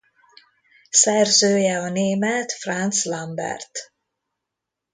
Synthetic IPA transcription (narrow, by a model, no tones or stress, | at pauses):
sɛrzøːjɛɒneːmɛt̪frant̪slɒmbɛ̰rt̪